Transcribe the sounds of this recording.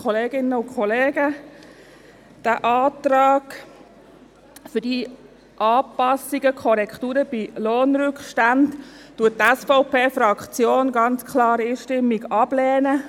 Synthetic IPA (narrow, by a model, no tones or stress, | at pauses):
kχɔleːɡɪnːəʊkʰɔleːɡ̥ə | d̥æːʔɑːt̪ɾɑːɡ | fʏd̥i | ʔɑːpɑsiɡəkʰɔɾɛkʰtuːɾəb̥iloːnɾʏkχʃtandtuətːɛsfɔʊpeːfɾɑkt͡sjoːnɡɑnt͡skʰlɑːɾiːʃtɪmːiɡɑb̥lɛːnə